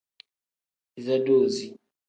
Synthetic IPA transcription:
i˨za˦doː˨zi˨

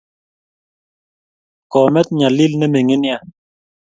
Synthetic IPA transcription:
kɔ˨mɛ˦t̪̚ɲa˨li˦lnɛ˦me˨ŋe˦nja˦˨

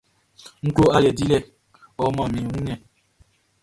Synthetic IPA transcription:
ŋ̩˦klo˦a˦jɛ˨di˦lɛ˦˨ | ɔ˨mã˦˨mĩ˨ũ˦ɲɛ˦˨

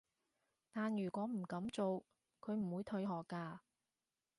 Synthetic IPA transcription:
t̪aː˨njyː˨˩kʷɔː˨˥m̩˨˩kɐ˨˥mt͡so˨w | kʰɵ˨˧ɥm̩˨˩wuː˨˧jt̪ʰɵ˧ɥɦɔː˨˩kːaː˧

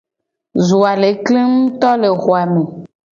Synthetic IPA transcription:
zu˨a˨le˨˦kle˦ŋũ˦t̪ɔ˦le˨xo˨a˨mẽ˨

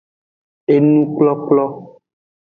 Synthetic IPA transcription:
e˦nũ˦k͡plɔ˦k͡plɔ˦

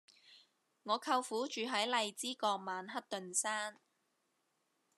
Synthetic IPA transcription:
ŋɔː˨˧kʰɐ˧wfuː˨˥t͡ʃyː˨ɦɐ˨˥jlɐ˨˧jt͡siː˥kɔː˧k̚maː˨˧nɦɐ˥t̚t̪ɵ˨nsaː˥n

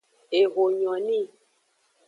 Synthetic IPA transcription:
e˨ɣo˨ɲɔ̃˨nĩ˦˨

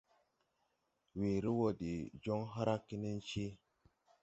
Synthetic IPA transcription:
we˨ɾi˦wo˦di˨d͡ʒo˦ŋɦa˦ɾa˦kːi˦ni˦n˦t͡ʃi˦

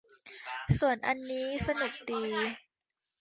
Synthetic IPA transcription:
su˨˩ənʔa˧nːiː˦˥sa˧nu˨˩k̚diː˧

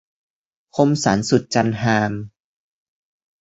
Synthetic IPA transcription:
kʰo˧msaː˩˦nsu˨˩t̪̚t͡ɕa˧nɦaː˧m

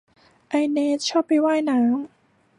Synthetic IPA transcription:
ʔa˧jneː˧˥t̪̚t͡ɕʰɔː˥˩pːa˧jwaː˥˩jnaː˩˦ŋ

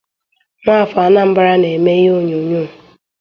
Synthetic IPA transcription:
na˦a˨fa˨˦na˦m̩˦ba˦ɾa˦ne˨me˦jo˦ɲu˨ɲu˦˨

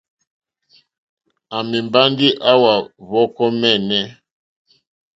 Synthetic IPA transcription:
a˨mi˨mba˦ndi˦ʔa˦wa˨βɔ˦kɔ˦mɛ˦˨nɛ˦

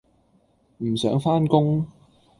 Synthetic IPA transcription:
m̩ː˨˩sœː˨˥ŋfaː˥nkʊ˥ŋ

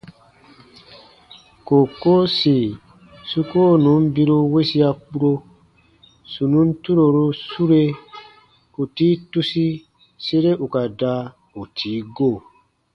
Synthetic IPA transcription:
ko˨ko˦si˨ | su˦ko˦nũ˨˦m˦bi˧ɾu˧we˦si˦a˦k͡pu˦ɾo˧ | su˨nũ˨˦n̩˦tu˦ɾo˨ɾu˧su˦ɾe˦ | u˨tiː˦tu˦si˦ | se˦ɾe˦ʔu˨ka˨da˦ | u˨tʰiː˨˦ɡo˦˨

